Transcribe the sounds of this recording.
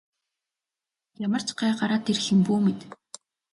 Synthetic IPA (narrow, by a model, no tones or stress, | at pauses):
jamə̆r̥t͡ɕɢæːɢaɾaːt̪erxɘ̆mpuːmet̪